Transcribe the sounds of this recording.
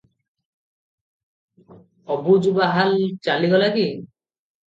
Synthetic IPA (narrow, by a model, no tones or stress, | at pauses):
ɔbud͡ʒubaɦalt͡ʃaliɡɔlaɡi